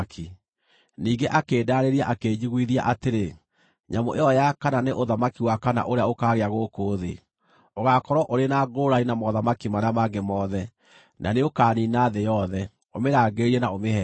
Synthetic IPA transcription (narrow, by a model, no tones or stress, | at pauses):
kʰi | niːɡeʔakeːdaːɾeɾiaʔakeːɲiɣwiðia̰ʔateɾe | ɲamo̰ʔeɔjakananeʔoðamakiwakana̰ʔoɾeaokaːɣeaɣokoːðḛ | oɣakɔɾwɔʔoɾenaɡoɾainamɔðamakimaɾeamaɡemɔðɛ | nʔa̰neokaːninaːðejɔðɛ | omeɾaːɡeɾiɛnaomehɛ